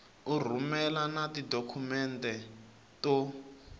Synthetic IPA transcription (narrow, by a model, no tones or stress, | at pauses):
ur̤umɛlanatidokʰumɛntʼɛ | tɔ